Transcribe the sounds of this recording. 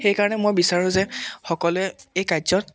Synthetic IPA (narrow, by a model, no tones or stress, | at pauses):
xejkaɹɔnɛmojbisaɹʊ̃zɛxɔkɔlʊɛejkazɔn